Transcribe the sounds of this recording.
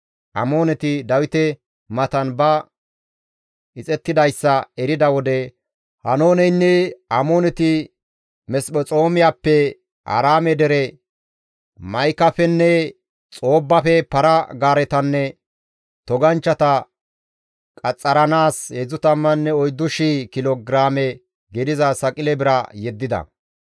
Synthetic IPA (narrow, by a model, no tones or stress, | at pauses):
ʔɐ̰moːnɛt̪ɪd̪ɐwɪt̪ɛ | mɐt̪ɐnbɐ | ɪt͡sʼɛt̪ːɪd̪ɐjsːɐɛɾɪd̪ɐwɔd̪ɛ | hɐno̞ːnɛjnːɛɐmoːnɛt̪ɪ | mɛspɔt͡sʼo̞ːmɪjapːɛ | ʔɐ̰ɾaːmɛd̪ɛɾɛ | mɐjkːɐfɛnːɛ | t͡sʼo̞ːbːɐfɛpɐɾɐɡaːɾɛt̪ɐnːɛ | t̪ɔɡɐnt͡ʃːɐt̪ɐ | kʼɐt͡sʼːɐɾɐnaːshɛzʊt̪ɐmːɐnːɛɔjd̪ːʊʃikɪloɡɾaːmɛ | ɡɪd̪ɪzɐsɐkʼɪlɛbɪɾɐjɛd̪ːɪd̪ɐ̰